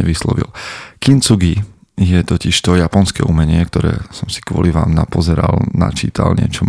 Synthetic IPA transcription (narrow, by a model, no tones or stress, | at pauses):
ɛʋislɔ̰ʋḭlkint͡suɡi | jɛt̪ɔciʃt̪ɔjapɔnskɛ̰ːʔumɛɲɪɛkt̪ɔɾɛ̰ːsɔmsi̥kʋʊɔ̰liʋaːmnapɔzɛɾalna̰t͡ʃiːt̪alɲɪɛ̰t͡ʃɔm